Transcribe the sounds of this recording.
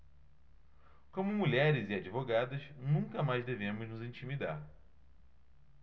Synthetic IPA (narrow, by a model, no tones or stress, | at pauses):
kõmʊmuʎɛɾɪzɪad͡ʒivoɡad̪ɐznũkɐmajzd̪evẽmʊznʊzĩnt͡ʃimid̪a̰ɾ